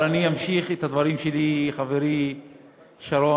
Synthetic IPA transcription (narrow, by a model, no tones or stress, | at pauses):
aniamʃiχet̪had̪vaʁimʃeliχaveɾi | ʃaɾo